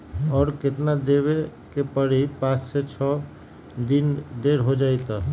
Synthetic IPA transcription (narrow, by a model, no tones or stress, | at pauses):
ɔːɾket̪nad̪eβekepəɽipãsset͡ʃʰɔ | d̪ind̪eɾɦod͡ʒajt̪ɔ